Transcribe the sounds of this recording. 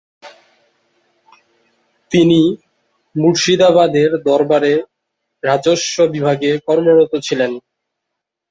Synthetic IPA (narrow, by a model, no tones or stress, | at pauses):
t̪ini | muɾʃid̪abad̪eɾd̪ɔɾbaɾe | ɾad͡ʑoʃːobibʱaɡekɔɾmoɾot̪ot͡ɕʰilen